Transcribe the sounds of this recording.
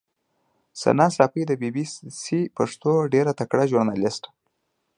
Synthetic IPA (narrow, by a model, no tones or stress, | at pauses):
sa̰nɑsɑpijd̪əbibissipaʂt̪oɖeɾat̪akɽaʒuɾnɑlɪsʈ